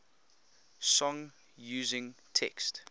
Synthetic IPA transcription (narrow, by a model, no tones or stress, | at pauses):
sɔ̃ŋ | juːzɪ̃ŋtʰɛ̰kst